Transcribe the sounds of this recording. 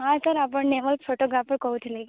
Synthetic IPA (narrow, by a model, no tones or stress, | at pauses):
ɦat̪əɾap̬əɳneməlpʰoʈoɡɾapəɾkəut̪ʰilek